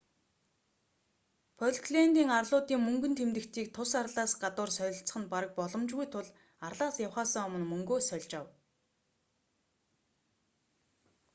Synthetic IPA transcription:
pʰɔɮkɮent̪iːŋarɮʊːt̪iːŋmɵŋɡɵ̆nt̪ʰemt̪ɘ̆kt̪ʰiːkt̪ʰʊsarɮaːsɢat̪ʊːrsœɾʲɪ̆ɬt͡sə̥̆χɘ̆npaɾə̆k̚pɔɮɞ̆mt͡ɕɣujt̪ʰʊɮ | arɮaːsjawχaːsəŋɔmə̆nmɵŋɡoːsœɮʲt͡ɕaw

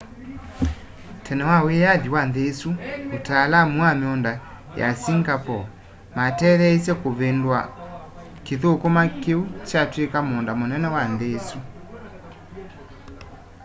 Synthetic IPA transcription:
tʰɛnɛwawejaðiwanðesuotalamuameɔnda | ja̰siŋɡapɔ | matɛðɛesjɛkoβendwa | keðokomakeut͡ʃatwekamɔndamonɛnɛwanðesu

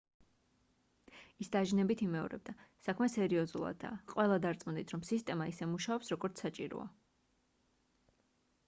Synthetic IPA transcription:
isd̪aʒnɛbit̪ʰimɛɔ̰ɾɛ̰b̚d̪asakʰmɛsɛɾiɔzulˠa̰d̪̚d̪a̰qʼwɛlˠad̪aɾt̪sʼmund̪it̪ʰɾɔmsist̪ʼɛmaisɛmuʃaɔpsɾɔɡɔɾt̪sʰat͡ʃʼiɾɔ̰a̰

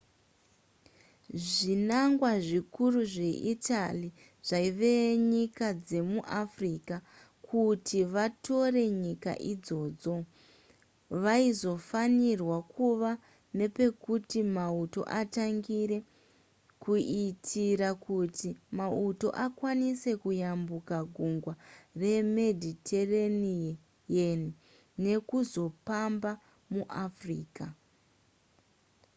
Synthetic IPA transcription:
ʐinaŋɡwaʐikuruʐe̞ʔitali | ʐ̥aiʋe̞ɲikad͡ze̞muʔafriːka | kʰutʰiʋato̞re̞ɲika̰ʔid͡zo̞ːd͡zo̞ | ʋaizo̞fanirwakʰuʋa | ne̞pe̞kutimauto̞̰ʔataŋɡiɾe̞ | kuitʰiɾakutimauto̞̰ʔakwanise̞kujambukaɡʱuŋɡware̞me̞dʱitʰereni | jeni | ne̞kuzo̞pamba | muʔafriːka

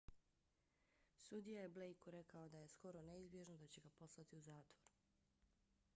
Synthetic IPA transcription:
sud̪ijajeble̞jkuɾe̞kaod̪aje̞sko̞ɾone̞izbje̞ʒnod̪at͡ɕe̞ɡapo̞slˠat̪iuzaːt̪ʋo̞ɾu̥

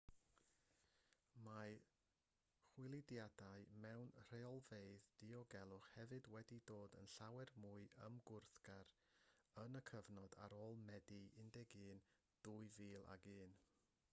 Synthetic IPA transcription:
ma | χwɪlˠɪdjadaɨmɛwnr̥eɔlˠveɨðd̥iɔɡɛlˠʊχhɛvɨdwɛdidoːdə̰nɬawɛrmuɨəmɡʊrθɡ̥aɾ | ənəkʰəvnɔda̰ɾoːlˠmɛdiɪndɛɡɨːn | d̥uɨviːlˠa̰ɡɨːn

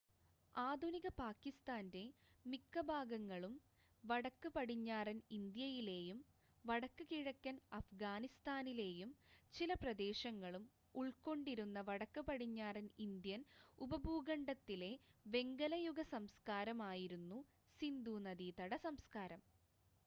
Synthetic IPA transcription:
aːd̪ʱuniɣɐpaːkːist̪aːnde̞mikːɐbʱaːɡɐŋːɐɭum | ʋɐɽɐkːɨpɐɽiɲːaːrɐnind̪jɐjile̞ːjum | ʋɐɽɐkːɨkiɻɐkːɐnɐfɡaːnist̪aːnile̞ːjumt͡ɕilɐprɐd̪e̞ːɕɐŋːɐɭum | uɭko̞ɳɖiɾunːɐʋɐɽɐkːɨpɐɽiɲːaːrɐnind̪jɐnubɐbʱuːɡɐɳɖɐt̪ːile̞ʋe̞ŋɡɐlɐjuɡɐsɐmskaːɾɐmaːjiɾunːu | sind̪unɐd̪iːt̪ɐɽɐsɐmskaːɾɐm

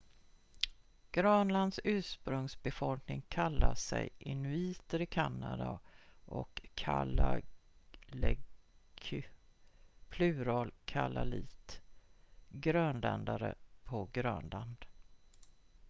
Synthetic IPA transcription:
ɡ̥ɾœːnland̪sʉ̟ːʂpɾɵŋsbɛfɔlknɪŋkʰalːaʂɛjɪnɵiːt̪əɾɪkʰanːad̪aʔɔkʰːala | lɛ | pʰlʉ̟ːɾɑlkʰalaliːt̪ | ɡɾœnlɛnd̪aɾə̰pʰɔɡɾœːnland̪̥

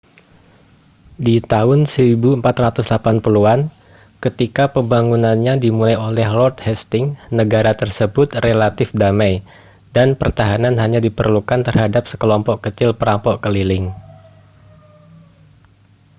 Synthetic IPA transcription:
dit̪aʊnsəɾibuəmpat̪rat̪ʊslapanpuluan | kət̪ikapəmbaŋunanɲadimulajolɛhlɔrt̪̚hɛst̪ɪŋnəɡaɾat̪ərsəbʊt̪relat̪ɪfdamaj | danpərt̪aɦananɦaɲadipərlukant̪ərɦhadap̚sə̥kəlɔmpɔʔkːət͡ʃɪlpəɾampɔʔkəlilɪŋ

